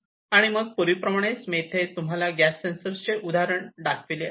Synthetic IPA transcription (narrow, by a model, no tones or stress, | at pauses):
aɽ̃iməɡ̚puɾʋipɾəmaɽ̃esmet̪ʰet̪umɦalaɡæsːensəɾst͡ɕeʔud̪ʱaɾəɳɖakʰʋile